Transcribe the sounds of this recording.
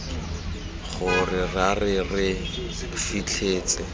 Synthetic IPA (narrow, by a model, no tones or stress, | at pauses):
χʊrɪrarɪrɪ | fit͡ɬʰeːt͡sʼɪ